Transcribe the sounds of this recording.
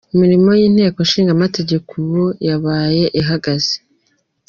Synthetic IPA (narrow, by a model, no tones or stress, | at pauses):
imiɾimo̞jiːn̥he̞ːkoʃiːŋɡamate̞ɟe̞kʰowojaβaːje̞ʔiɦaɡaze̥